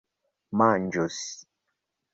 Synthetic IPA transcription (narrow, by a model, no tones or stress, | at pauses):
mand͡ʒosi̥